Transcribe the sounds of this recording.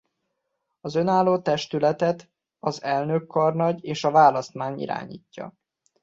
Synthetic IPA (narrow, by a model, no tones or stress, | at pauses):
ɒzø̞naːlːoːt̪ɛʃt̪ylɛt̪ɛt̪ | ɒzɛlnø̞kːɒrnɒɟeːʃɒvaːlɒst̪maːɲḭɾa̰ːɲḭːcːɒ̰